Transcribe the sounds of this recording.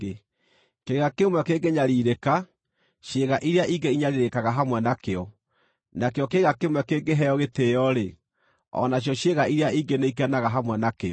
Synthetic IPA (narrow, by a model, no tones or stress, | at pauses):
keɣakemwɛkeŋɡeɲaɾiɾeka | ʃjeɣaʔiɾeaʔiɡeiɲaɾiɾekaɣaɦamwɛnakeɔ | nakeɔkeɣakemwɛkeɡeɦɛjɔɣetejɔɾe | ɔ̰naɕ̬jɔɕjeɣaiɾeaiɡeneik̬ɛnaɣaɦamwɛnakeɔ